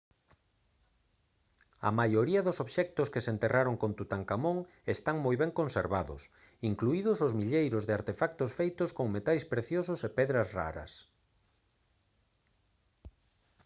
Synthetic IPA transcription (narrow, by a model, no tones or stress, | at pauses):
ɐ̰majoɾiɐðʊsoβʃɛk̚t̪ʊskesent̪erʔaɾoŋkont̪ut̪aŋkamoŋ | est̪aŋmojβɛŋkonseɾβaðʊ̰s | iŋkluiðʊsʊzmiʎejɾʊzðɪaɾt̪efak̚t̪ʊsfejt̪ʊskoŋmet̪ajspɾeθjosʊsepɛðɾɐzra̰ɾɐ̰s